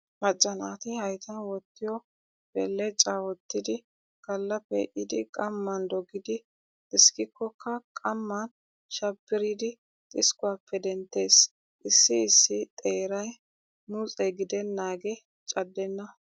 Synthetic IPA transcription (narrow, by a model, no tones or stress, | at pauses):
mɐd͡ʒʼːɐnaːt̪ɪhɐjt̪ʰɐnwɔt̪ːɪjɔ | b̥ɛlːɛt͡ʃʼaːwɔt̪ːɪd̪ɪ | kɐlːɐpːɛ̰ʔɪd̪ɪkʼɐmːɐnd̪ɔɡɪd̪ɪ | t̪ʼɪskɪkːɔkːɐkʼɐmːɐn | ʃɐbːɪɾɪd̪ɪ | t̪ʼɪskʊaːpːɛd̪ɛnt̪ːe̞ːs | ʔɪsːɪɪsːɪt̪ʼeːɾɐj | mut͡sʼɛɡɪd̪ɛnːaːɡɛ | t͡ʃʼɐd̪ːɛnːɐ